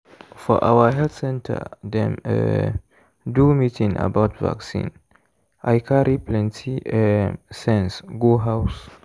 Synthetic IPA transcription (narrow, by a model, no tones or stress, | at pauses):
fɔ̰ʔa̰wəɦɛld̪sɛ̃ntʰə̰d̪ɛ̃mə̰ | dumitĩŋʔə̰baʊtva̰ksḭ̃n | ʔajkʰaɾiplɛ̃ntʰi | sɛ̃nsɡuɦaʊs